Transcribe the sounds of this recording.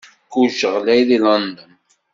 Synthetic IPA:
kuʒəʁlæjðilɑnd̪ən

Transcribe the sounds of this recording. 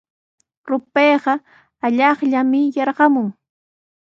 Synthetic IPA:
ɾʊpeːɢɑ | aʎɑχʎamɪjɑɾɢɑmʊŋ

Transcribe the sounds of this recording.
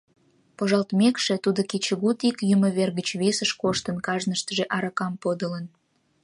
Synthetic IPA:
poʒɑlt̪mekʃet̪ud̪oket͡ɕəɣut̪ikjymə̆βerɣət͡ɕβesəʃkoʃt̪ənkɑʒnəʃt̪əʒeʔɑɾɑkɑmpod̪ələn

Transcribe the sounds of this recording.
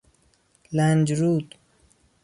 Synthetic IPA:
land͡ʒɾuːt̪

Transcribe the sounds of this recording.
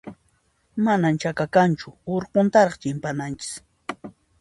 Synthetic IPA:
manamt͡ʃakakant͡ʃʊoɾqont̪aɾɑχt͡ʃɪmpanant͡ʃɪ̥s

